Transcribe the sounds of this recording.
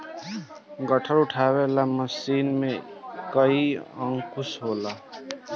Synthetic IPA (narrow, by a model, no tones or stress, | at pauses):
ɡəʈʰəɾʊʈʰaːwelaməsiːnmẽkəiə̃ŋkʰʊsɦoːla